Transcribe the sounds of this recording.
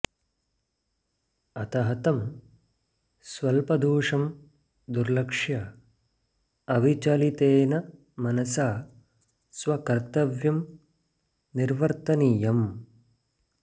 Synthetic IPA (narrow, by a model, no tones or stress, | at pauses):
ɐt̪ɐɦɐt̪ɐm | sʋɐlpɐd̪uːʂɐm | d̪uɾlɐkʂjɐ | ɐʋit͡ʃɐlit̪eːnɐ | mɐnɐsaː | sʋɐkɐɾt̪ɐʋjɐm | niɾʋɐɾt̪ɐnijɐm